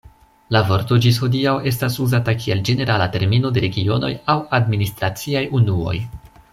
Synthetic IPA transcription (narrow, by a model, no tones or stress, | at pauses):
lavo̞ɾto̞d͡ʒis̬ho̞diawe̞s̬tasuzatakie̞ld͡ʒe̞ne̞ɾʔalate̞ɾmino̞de̞ɾe̞ɡio̞no̞̰jawadministɾat͡siajunuo̞̰j